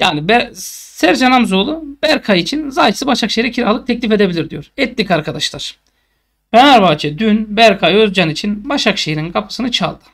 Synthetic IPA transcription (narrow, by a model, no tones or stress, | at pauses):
jaːnibɛsæɾd͡ʒanamzolˠub̥æɾkʰajit͡ʃʰinzajʰsɯbaʃakʃejiɾɛcʰiɾalˠɯk̚t̪ʰɛclʲife̞d̪e̞bilʲiɾd̪ijoɾɛt̪lʲikaɾkʰad̪aʃlˠaɾ̥ | bʰenaɾbaːt͡ʃʰɛd̪ynbæɾkʰajøzd͡ʒanit͡ʃʰinbaʃakʃejininkʰapʰɯ̥sɯnɯt͡ʃʰa̰lˠd̪̥ɯ̥